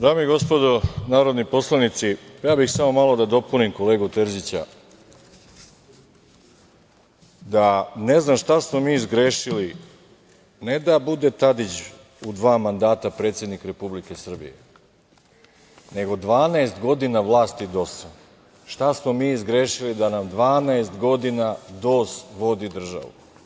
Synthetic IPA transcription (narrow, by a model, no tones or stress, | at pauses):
d̪ɾaːmoiɡo̞spod̪o̞naːɾo̞d̪nipo̞slˠanit̪sijaːbixsamo̞malo̞d̪ad̪o̞punimko̞le̞ːɡut̪eɾʒit͡ɕa̰ | d̪ane̞znamʃt̪asmo̞miːzɡɾeːʃili | ned̪abud̪e̞t̪ad̪it͡ɕ | ud̪ʋaːmand̪aːt̪apɾe̞t̪sje̞d̪nikɾe̞publike̞sr̩bḭjḛ | ne̞ɡo̞d̪ʋaːnaest̪ɡo̞d̪inaʋlˠaːst̪id̪o̞sa | ʃt̪asmomiːzɡɾeːʃilid̪anamd̪ʋaːnaest̪ɡo̞d̪inad̪o̞ːsʋo̞d̪id̪r̩ʒa̰ʋṵ